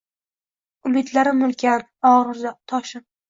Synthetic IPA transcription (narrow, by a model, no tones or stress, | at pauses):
ʊlet̪ʰlaɾɪmʊlˠkʲʰan | ɒʁɾɨɾzat̪ʰɒʃɪm